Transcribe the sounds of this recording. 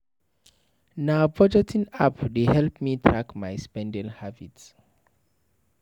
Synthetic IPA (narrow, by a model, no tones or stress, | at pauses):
nabɔd͡ʒɛtʰĩnapdehɛlpmitʰɹakmajspɛ̃ndɛlhabits